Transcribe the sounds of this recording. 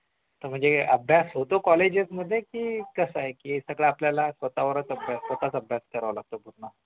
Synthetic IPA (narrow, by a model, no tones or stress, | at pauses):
t̪əɾm̤əɳd͡zeəbʱjasɦot̪okɔled͡ʑət͡sməd̪ʱːjekiːkəsaɦekiːesəɡɭaapljalasʋət̪aʋəɾət͡səbʱjasʋət̪at͡səbʱjaskəɾʋalaɡ̚t̪obʱut̪na